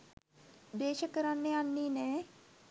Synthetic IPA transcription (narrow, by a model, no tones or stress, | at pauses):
d̪eːʃəkəɾanːeanːiːnɛː